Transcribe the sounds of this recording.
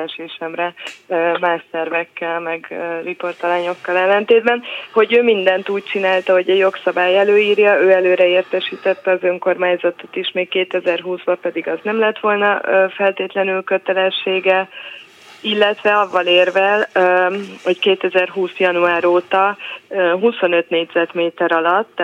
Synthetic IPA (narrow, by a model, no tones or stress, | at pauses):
ɛʃeːʃɛmrɛmaːʃsɛrvɛkːɛlmɛɡøripo̞rt̪ɒlaːɲo̞kːɒlɛlːɛnt̪eːd̪̚bɛnho̞ɟøːmind̪ɛnt̪uːc̚t͡ʃinaːlt̪ɒɦo̞ɟɛɟjo̞ksɒbaːjɛløːjiːrjɒøːɛløːɾɛeːrt̪ɛʃiːt̪ɛt̪ːɛɒzøŋko̞rmaːɲzɒt̪o̥t̪iʃmeːkkeːt̪ɛzɛrɦuːzbɒpɛd̪iɡɒznɛmlɛt̪ʋo̞lnɒfɛlt̪eːt̪lɛnylkø̞t̪ɛlɛʃːeːɡɛ | ilːɛt̪ʋɛɒvːɒleːrvɛl | ho̞ckeːt̪ɛzɛrɦuːsjɒnuaːɾoːt̪ɒ | ɦuso̞nø̞t̪neːɟzɛt̪meːt̪ɛɾɒlɒt̪ː